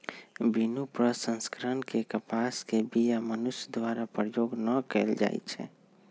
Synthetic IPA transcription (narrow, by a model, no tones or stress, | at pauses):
binupɾəsə̃nskəɾənkekəpaskebijamənʊsd̪waɾapɾəjoːɡnəkɛld͡ʒa̰ːḭt͡ʃʰɛ̰